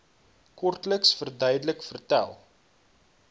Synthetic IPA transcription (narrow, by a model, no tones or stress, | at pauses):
kɔrtləksfərdœjdələkfərtæ̰lˠ